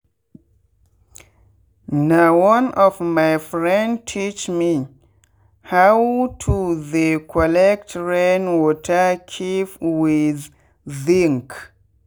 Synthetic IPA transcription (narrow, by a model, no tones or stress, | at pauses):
nawʌ̃nɔvmajfɹɛ̃ndtʰit͡ʃmi | hawtʰuðekʰɔlɛk̚tɹẽnwɔtʰəkʰipwiðː | ĩŋk